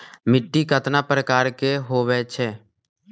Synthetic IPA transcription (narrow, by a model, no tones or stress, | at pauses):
mɪʈːikət̪napɾəkaːɾkeɦoːʋɛt͡ʃʰɛː